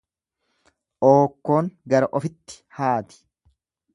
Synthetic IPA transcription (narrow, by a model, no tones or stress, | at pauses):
ʔoːkːo̞ːŋɡɐɾɐʔɔfɪt̪ːɪ̥ | haːt̪ɪ̥